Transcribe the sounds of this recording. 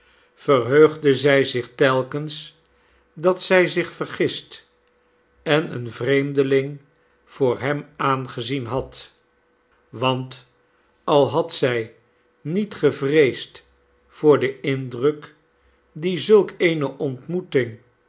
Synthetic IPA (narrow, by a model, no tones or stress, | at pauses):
fəɹɦøɥχdəzɛjzɪχtɛlˠkəns | dɑtsɛjzɪχfərχɪst | ɛnə̰nvrejmdəlɪŋ | v̥ʊːɹɦɛmaːnχəzinɦɑt | ʋɑnt | ɑlˠɦɑtsɛj | nitχəvrejst | fʊːɹdəɪndrək | dizɵlˠkejnəʔɔntmutɪŋ